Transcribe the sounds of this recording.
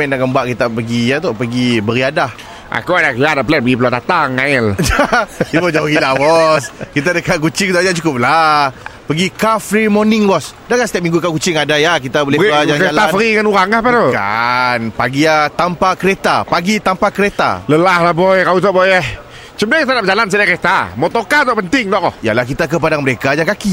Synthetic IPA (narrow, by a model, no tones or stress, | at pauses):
ɛndakambaʔkit̪apəɡijat̪oʔpəɡibəɾiadah | ʔa̰kuadaʔkjadaʔpəlat̪̚pəɡipəlat̪at̪aŋaɪld͡ʒat̪ibod͡ʒauɡilabɔskit̪̬adəkaʔkut͡ʃikt̪ad͡ʒaʔt͡ʃukʊp̚lapəɡikafɾimɔnɪŋbɔs | dakast̪iap̚miŋɡukakut͡ʃɪŋadajahkit̪abolehad͡ʒakɾealafəɾiəŋanuɾaŋlahpat̪oka̰npaɡiat̪ampakəɾet̪apaɡit̪ampakəɾet̪a̰ləlahlahbɔjkawut̪ɔʔbɔjɛh | t͡ʃəmdajat̪adap̚d͡ʒalans̬ədaʔkəɾet̪amɔt̪okat̪ɔʔpənt̪ɪŋt̪ɔʔkɔhja̰lahkit̪akəp̬adaŋməɾekad͡ʒaŋkaki